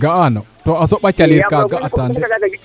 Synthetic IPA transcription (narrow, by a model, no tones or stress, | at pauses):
ɡaanɔtɔasɔɓat͡ʃaliɾkaɡaʔatandɛ